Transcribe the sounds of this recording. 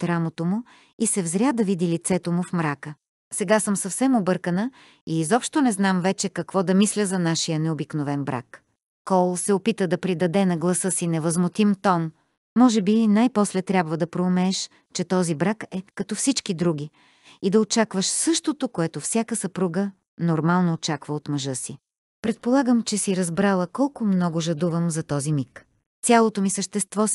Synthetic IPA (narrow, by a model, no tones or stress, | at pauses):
t̪ɾamot̪omʊ | isɛvzɾʲad̪ɐvid̪ilit̪sɛt̪omʊfmɾakə | sɛɡasəmsɐfsɛmobɤɾkənə | izɔpʃt̪onɛznamvɛt͡ʃɛkɐkvɔd̪ɐmislʲəzɐnaʃijənɛobiknovɛnbɾa̰k | kːɔlˠsɛopit̪əd̪ɐpɾid̪ɐd̪ɛnɐɡlˠɐsɤsinɛvəzmʊt̪imt̪ɔnː | ɔʒɛbinajpɔslɛt̪ɾʲjabvəd̪ɐpɾoːmɛːʃ | t͡ʃɛt̪ɔzibɾakɛkɐt̪ɔfsit͡ʃkid̪ɾuɡ̟i | id̪ɐot͡ʃakvəʃsɤʃt̪ot̪okoɛt̪ofsʲjakəsəpɾuɡə | noɾmalˠnoːt͡ʃakvəot̪mɐʒɤsi | pɾɛt̪̚polˠaɡəmt͡ʃɛsiɾɐzbɾalˠəkɔlˠkʊmnɔɡʊʒɐd̪uvəmzɐt̪ɔzimik | sʲalˠot̪omisəʃt̪ɛst̪vɔ